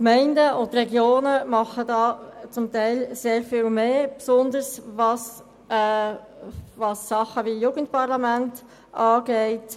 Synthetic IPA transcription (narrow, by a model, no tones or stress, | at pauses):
kmɛɪndəʊnt̪rɛɡjoːnəmɑχədɑːt͡sʊmtɛɪlseːɾfiːlmeːpsʊnd̪əɾsvɑs | vɑsːɑχəʋijuːɡən̩t̚pɑʁlɑmænt | ɑːɡ̥ɛɪt